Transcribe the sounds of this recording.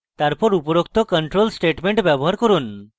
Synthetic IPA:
t̪aɾpɔɾupɔɾok̚t̪ʰɔkəɳʈɾolsʈeʈmeɳʈbjabɔɦaɾkɔɾun

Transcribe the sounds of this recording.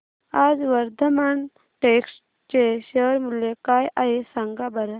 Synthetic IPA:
aːd͡ʒʋɐɾd̪ʱɐmaːn | ʈeːksʈ | t͡ʃeʃəɾmuljekaːjʔaɦesɐŋɡabɐɾə

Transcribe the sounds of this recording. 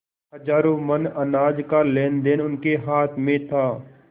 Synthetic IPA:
ɦəd͡ʒaːɾõmənənaːd͡ʒkaleːnd̪eːnʊnkeɦaːt̪ʰmẽt̪ʰaː

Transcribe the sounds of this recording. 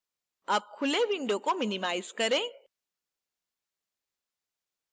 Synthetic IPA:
ɐb̚kʰʊleʋɪ̃ɳɖõkomɪnimaːɪzkɐɾẽː

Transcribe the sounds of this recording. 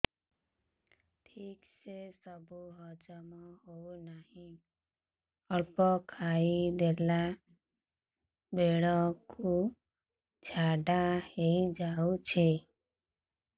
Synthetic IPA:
ʈʰiːksesəbʱuɦɔd͡ʒɔmɔɦounaɦĩ | ɔɭpɔkʰaid̪ela | beɭɔku | d͡ʒʱaɖaheid͡ʒaut͡ʃʰe

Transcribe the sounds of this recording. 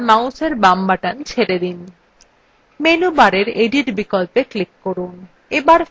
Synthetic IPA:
mawseɾbambaʈant͡ɕʰeɾed̪in | menubaɾeɾeɖiʈbikolpeklikːoɾun | ebaɾ

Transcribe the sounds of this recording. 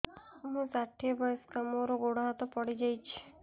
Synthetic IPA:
ɦũsaʈʰːibəjskamoɾoɡoɽ̤aɦt̪opəɽid͡ʒajt͡ʃʰi̥

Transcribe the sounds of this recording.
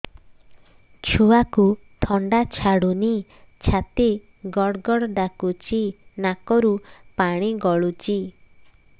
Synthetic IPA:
t͡ʃʰuakut̪ʰɔɳɖat͡ʃʰaɽuni | t͡ʃʰat̪i | ɡɔɽɡɔɽɖakut͡ʃinakɔɾupaɽ̃iɡɔɭut͡ʃi

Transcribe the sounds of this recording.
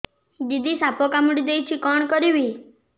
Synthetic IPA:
d̪id̪isapɔkamuɽid̪ejt͡ʃʰikɔɳkɔɾiʋi

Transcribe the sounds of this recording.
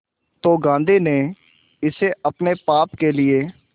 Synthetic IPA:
t̪oːɡãːnd̪iːnẽː | ɪseəpnepaːpkelɪeː

